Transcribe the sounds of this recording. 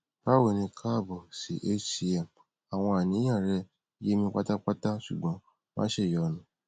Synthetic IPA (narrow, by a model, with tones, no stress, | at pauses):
pa˦wo˨nĩ˧kʰa˦˨bɔ˨si˨˦ʔe˦ti˧˦ɛ˨m | a˨w̃ɔ̃˧a˨nĩ˨˦j̃ã˦˨ɾɛ˧˦ | je˦mĩ˧k͡pa˦ta˦k͡pa˦ta˦ʃu˨ɡ͡bɔ̃˨˦ | mã̰˦ʃe˦˨jɔ˨nũ˨˦